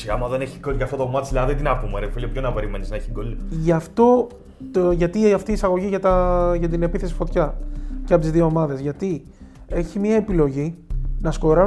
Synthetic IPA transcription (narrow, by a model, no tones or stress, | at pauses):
siɐmɐðeneçiɡolʝɐft̪ot̪omɐt̪i̥slɐɐðed̪inɐkumeɾefelʲopçonɐpe̞ɾimeniznɐeçiɡolʝɐft̪o̞ | ʝɐt̪iɐft̪iːsɐɣo̞ʝiʝɐt̪ɐʝɐt̪ine̞piθe̞si̥fo̞t̪çɐceɐpot̪izðioomɐðe̞zʝɐt̪i | e̞çimiɐe̞pilo̞ʝinɐsko̞ɾɐ